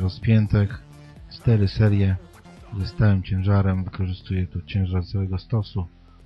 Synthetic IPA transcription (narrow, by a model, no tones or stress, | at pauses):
ɾɔspʲjɛnt̪ɛx | t͡ʂt̪ɛɾɘsɛɾjɛ | zɔst̪awɛmt͡ɕɛ̃w̃ʐaɾɛmvɘkɔʐɘst̪ujɛt̪ut͡ɕɛ̃w̃ʐaɾzawɛɡɔst̪ɔsu